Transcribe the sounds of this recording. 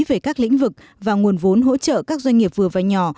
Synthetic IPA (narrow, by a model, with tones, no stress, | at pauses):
ve˨˩kaː˦˥k̚lḭ˧˥ŋ̟vɨ˨˩k̚ | vaː˨˩ŋu˨˩ənvo˨˦nɦo̰˧˥t͡ɕə̰ː˧˨kaː˦˥k̚zwa˧jŋ̟ŋi˨˩əp̚vɨ˨˩əvaː˨˩ɲɔ˨˩